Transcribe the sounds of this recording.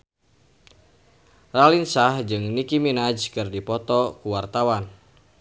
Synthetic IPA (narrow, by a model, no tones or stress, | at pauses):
ralinsahd͡ʒɨŋnikiminad͡ʒkɨrdipɔt̪ɔkuwart̪awan